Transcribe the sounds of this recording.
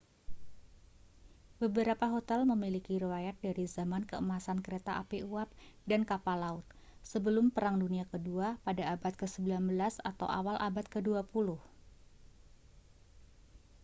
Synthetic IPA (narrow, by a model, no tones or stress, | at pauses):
bəbəɾapaɦot̪ɛlməmilikiɾewajat̪̚daɾizamankəəmasankəɾet̪aʔapeuap̚dankapalaʊt̪̚ | səbəlʊmpəɾaŋduniakəduapadaːbat̪̚kəsəbilanbəlasat̪a̰wʔa̰walʔabat̪̚kəduapulʊh